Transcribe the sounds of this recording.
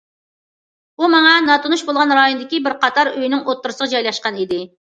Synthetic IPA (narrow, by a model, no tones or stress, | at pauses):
umɑŋɑnɑt̪ʰunuʃbolˠʁɑnɾɑjonɨd̪ɪkʲibɪɾqɑt̪ʰɑɾøjnɪŋʔot̪ːuɾɨsəʁɑd͡ʒɑjlˠɑʃqɑnid̪ɪ